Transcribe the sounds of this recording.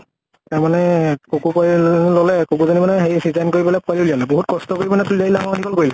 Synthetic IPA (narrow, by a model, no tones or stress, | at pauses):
taɹmanɛkokupallɔlɛkokuzɔnimanɛɦeɹisizankoɹibɔlɛpʊalulijalɛboɦut̚kɔstɔkoɹibɔnɛtuliailaŋanikɔlkoɹilɛ